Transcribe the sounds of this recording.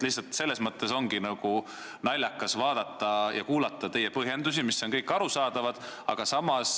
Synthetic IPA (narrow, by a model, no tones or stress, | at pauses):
lihsːɑlt̪se̞lːe̞smɤt̪ːe̞so̞ŋɡ̥inɑɡ̥u | nɑlʲːjɑkːˑɑsvɑːd̪ɑt̪ːˑɑjɑ̰kuːlɑt̪ːˑɑt̪e̞jːe̞pɤɦjend̪usimisːo̞nkɤjkːˑɑɾusɑːd̪̥ɑvɑd̪̥ɑ̰ɡ̥ɑsɑmɑs